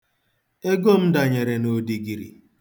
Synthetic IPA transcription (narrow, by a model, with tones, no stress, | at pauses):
e˦ɡo˦˨m̩˦da˨ɲe˨ɾe˨no˨di˨ɡi˨ɾḭ˨